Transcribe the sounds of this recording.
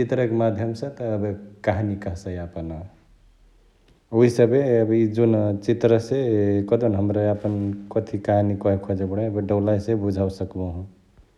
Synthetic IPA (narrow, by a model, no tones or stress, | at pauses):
t͡ʃit̪ɾəkemad̪ʱjəmsẽt̪əːbekaɦanikəɦsəjəpna | oɦisəbeəbd͡ʒunt͡ʃit̪ɾəsekɔd̪unɦəmɾeəpənkət̪ʰikaɦnikɔɦekʰod͡ʒebɽeəbiɖəlasebud͡ʒʱawsəkbuɦũ